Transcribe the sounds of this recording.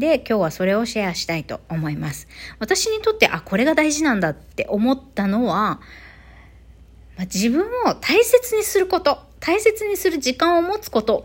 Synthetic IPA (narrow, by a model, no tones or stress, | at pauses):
d̪e̞kʲo̞ːβ̞aso̞ɾe̞o̞ɕiaɕi̥t̪ait̪o̞̰ːmo̞imasɨ̥βat̪aɕiɲ̟it̪o̞t̪ːe̞ʔakʰo̞ɾe̞ɡad̪aiʑinãnd̪at̪ːe̞̰ʔo̞mo̞t̪ːano̞βa | mad͡ʑibɯ̟̃ɰ̃o̞t̪ʰaise̞t͡sɨɲ̟isɨɾɯ̟ko̞t̪o̞t̪ʰaise̞t͡sɨɲ̟isɨɾɯ̟ʑikãɰ̃o̞mo̞t͡sɨ̥ko̞t̪o̞